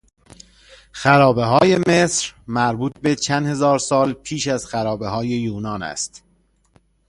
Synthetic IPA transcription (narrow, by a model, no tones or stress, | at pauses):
xæɾɒːbe̞ɦɒːje̞me̞sɾmæɾbuːt̪̚ʰbet͡ʃʰænd̪he̞zɒːɾsɒːlpʰiːʃæzxæɾɒːbe̞ɦɒːje̞juːnɒːnæ̰st̪